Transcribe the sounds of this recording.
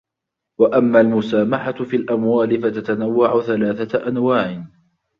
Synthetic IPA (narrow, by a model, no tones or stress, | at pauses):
waʔamːaːlmʊsaːmaħafilʔamwaːlɪfat̪at̪anawːaʕʊθalaːθaʔanwaːʕɪ